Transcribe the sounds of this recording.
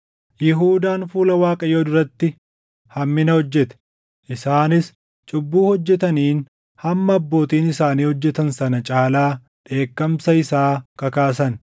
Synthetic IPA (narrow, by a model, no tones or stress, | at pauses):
jɪɦuːd̪aːnfuːlɐwaːkʼɐjoːd̪ʊɾɐt̪ːɪ | hɐmːɪnɐhɔd͡ʒːɛt̪ɛ̥ | ʔɪsaːnɪs | t͡ʃʼʊbːuːhɔd͡ʒːɛt̪ɐniːn | hɐmːɐːbːo̞ːt̪iːnɪsaːniːhɔd͡ʒːɛt̪ɐnsɐnɐt͡ʃʼaːlaː | ᶑe̞ːkːɐmsɐɪsaːkɐkaːs̬ɐn